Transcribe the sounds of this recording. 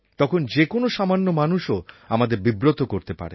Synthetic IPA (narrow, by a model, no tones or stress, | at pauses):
t̪ɔkʰond͡ʑekonoʃamanːomanuʃo | amad̪eɾbibɾot̪okoɾt̪epa̰ɾe